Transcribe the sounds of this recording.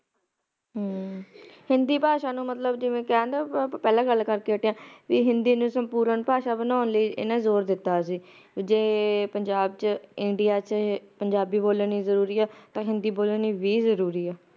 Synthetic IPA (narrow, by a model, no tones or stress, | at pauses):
hɪnd̪iːpaːʃaːnũːmət̪ləbd͡ʒɪʋẽːkɛãːnd̪aːpɛːlãːɡəlːkəɾkeːəʈeãːʋiːɦɪnd̪iːnũːsəmpuːɾəɳpaːʃaːbənaːənləiːʔɪ̰nãːzoːɾd̪ɪt̪ːaːsiː | d͡ʒeːpəɲd͡ʒaːbt͡ʃɪɳɖɪjaːt͡ʃpəɲd͡ʒaːbiːboːləniːzəɾuːɾiːɛːt̪ãːɦɪnd̪iːboːləniːʋiːzəɾuːɾiːɛː